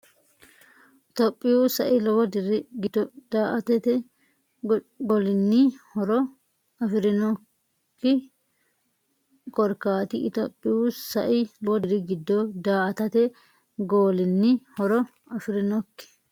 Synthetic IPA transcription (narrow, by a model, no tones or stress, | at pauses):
ʔɪt̪opʼːɪjuːsɐ̰ʔɪlɔwɔd̪ɪɾɪɡɪd̪ɔd̪̥aːʔɐt̪ɛt̪ɛ | ɡɔlɪnːiːhɔɾɔ | ɐfɪɾɪnɔ | kːɪ | kɔɾkaːt̪ɪɪt̪o̰ːpʼːɪjuːssɐ̰ʔɪlɔwɔd̪ɪɾɪɡɪd̪ːɔd̪aːʔɐt̪ɐt̪ɛ | ɡoːlɪnːihɔɾɔ | ɐfɪɾɪnɔkːɪ̥